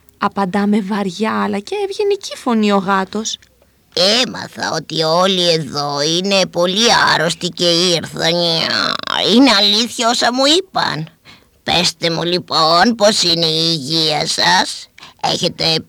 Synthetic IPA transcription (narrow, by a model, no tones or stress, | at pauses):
ɐpɐnd̪ɐme̞vɐɾʝɐɐlɐceevʝenicifo̞nio̞ɣɐt̪o̞s | emɐ̰θɐ̰o̞t̪io̞lieðo̞ine̞po̞liɐɾo̞st̪ice̞iɾθɐɲɐ̰ine̞ɐliθçɐo̞sɐmuipɐ̰n | pe̞st̪e̞mulipo̞npo̞sineiːʝiɐsɐse̞̰çe̞t̪e̞